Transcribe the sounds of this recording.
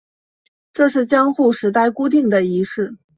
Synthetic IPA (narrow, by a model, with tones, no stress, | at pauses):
ʈ͡ʂɤ˥˧ʂɻ̩˥˩t͡ɕjɑ˥ŋxu˥˩ʂɻ̩˧˥t̪a˥˩ɪku˥t̪̬i˥˩ŋd̪ə˩i˧˥ʂɻ̩˥˩